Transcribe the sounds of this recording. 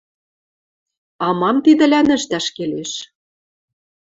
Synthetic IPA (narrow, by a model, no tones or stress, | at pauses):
ɑmɑmt̪id̪ɘ̆lænɘ̆ʃt̪æʃkeleʃ